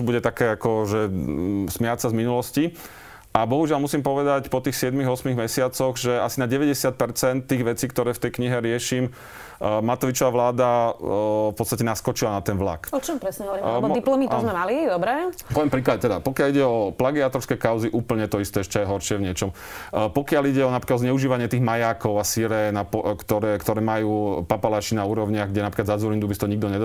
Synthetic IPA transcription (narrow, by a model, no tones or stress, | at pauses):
buɟɛt̪akɛːakɔʒɛsmɛjat͡sazminulɔsci | ʔabɔɦuʒɪalmusiːmpɔʋɛd̪acpɔt̪iːxsɪɛd̪miɣɔsmiɣmɛsɪat͡sɔɣʒɛasinaɟɛʋɛɟɛsɪat̪̚pɛɾt͡sɛnt̪̚ːiːɣʋɛt͡siːkt̪ɔɾɛːft̪ɛjkɲiɦɛɾɪɛʃiːm | mat̪ɔʋit͡ʃɔʋaʋlaːd̪a | fpɔtt͡st̪acɛnaskɔt͡ʃilanat̪ɛnʋla̰kɔt͡ʃɔmpɾɛsɲɛɔʋɔɾimd̪ilɔmit̪zmɛmalid̪ɔbɾɛpɔʋjɛmpɾiːklaɟɛt̪ɛd̪apɔkɪaliɟɛɔplaɡiaːt̪ɔɾskɛkaʊziʔuːpl̩ɲɛt̪ɔist̪ɛɛʃcɛjɛɦɔɾʃɪɛʋɲɪɛt͡ʃɔm | pɔkɪaliɟɛɔnapɾiklaɔzɲɛuʒiːʋaɲɪɛt̪iːɣmajaːkɔʊasiɾɛnapɔkt̪ɔɾɛːkt̪ɔɾɛːmajuːpapalaːt͡ʃinauːɾɔʋʊɲɪaɣɡɟɛnapɾikazad͡zɔlind̪ubist̪ɔɲiɡ̚d̪ɔɲɛd̪